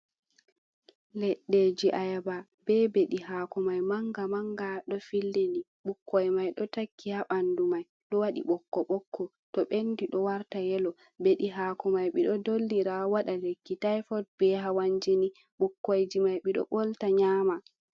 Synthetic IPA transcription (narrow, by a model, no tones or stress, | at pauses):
lɛɗːed͡ʒiʔajaba | bɛbeɗiɦakɔmajmaŋɡamaŋɡaɗɔfilːeni | ɓukːɔjmajɗɔtakːihaɓandumaj | ɗɔwaɗḭɓɔkːɔɓɔkːɔ | tɔɓendiɗɔwaɾtajɛlɔ | beɗiɦaːkɔmajɓiɗɔdolːiɾawaɗalekːitajfɔd̚bɛɦawaɲd͡ʒini | ɓukːojd͡ʒimajɓiɗɔ̰ɓɔltaɲaːma